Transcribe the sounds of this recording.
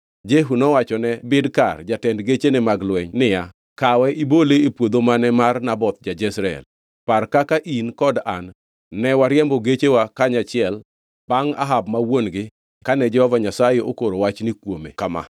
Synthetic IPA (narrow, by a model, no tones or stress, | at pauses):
d͡ʒeɦunɔwat͡ʃɔnɛbɪdkard͡ʒatɛndɡet͡ʃenɛmaɡlwɛɲnɪja | kawɛʔiboleepwod̪omanɛmarnabɔt̪̚d͡ʒad͡ʒɛsɾaɛ̰l | parkakaʔinkɔdanː | ɛwaɾjɛmbɔɡet͡ʃewakaɲat͡ʃɪɛl | b̥aŋa̰ɦabmawonɡɪ | kanɛd͡ʒɛhɔvaɲasajeokoɾowat͡ʃnikwomḛkama̰